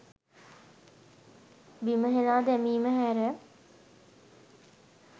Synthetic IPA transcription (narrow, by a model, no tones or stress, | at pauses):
biməɦenaːd̪ɛmiːməɦæːɾə